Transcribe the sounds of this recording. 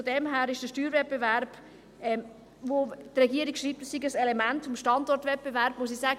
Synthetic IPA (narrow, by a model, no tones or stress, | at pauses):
fodɛmɦæːɾɪʃd̥əʃtyːɾvɛt̚b̥evæɾb̥ | ɛm | votrɛɡiːəɾikʃɾiːp̚təsiɡəsɛlemæntʊmʃtɑndɔɾtvɛt̚b̥evæɾb̥mos̬isæːɡ